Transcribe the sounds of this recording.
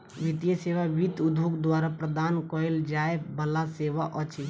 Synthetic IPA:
ʋit̪ijəseʋabit̪ud̪ʱokd̪waːɾapɾəd̪aːnkɔild͡ʒaːebəlaseːʋaʔɔt͡ʃʰi

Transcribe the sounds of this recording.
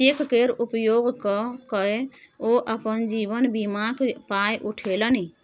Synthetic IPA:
ekkeɾupəjoɡkɔkəeoʔəpənd͡ʒibənbimakpajʔuʈʰeləni

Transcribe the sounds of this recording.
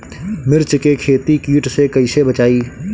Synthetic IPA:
mɪɾt͡ʃkekʰeːt̪ikiːʈsekɐɪsebət͡ʃaːiː

